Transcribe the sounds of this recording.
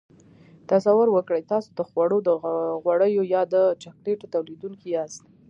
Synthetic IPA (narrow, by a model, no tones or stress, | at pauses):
t̪asawʊɾwəkɽəjt̪ɑsod̪əxwaɽod̪əɣwaɽəjojɑd̪ət͡ʃakleʈot̪awlid̪uŋkiast̪